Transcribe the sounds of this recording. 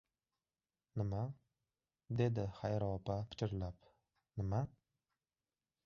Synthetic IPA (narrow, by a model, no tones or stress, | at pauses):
nɪma | d̪ed̪ɪχajɾɒpapʰɪ̥t͡ʃʰɪɾlap | nɪma